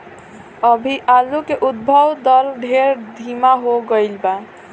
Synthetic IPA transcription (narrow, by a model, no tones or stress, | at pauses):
əbʱiʔalukeʔud̪̚bʱəwd̪əɾɖʱeɾd̪ʱimaɦoɡəɪlba